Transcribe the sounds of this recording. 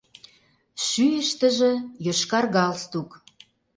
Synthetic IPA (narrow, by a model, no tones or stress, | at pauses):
ʃyjəʃt̪ə̆ʒĕjøʃkɑrɣɑlst̪uk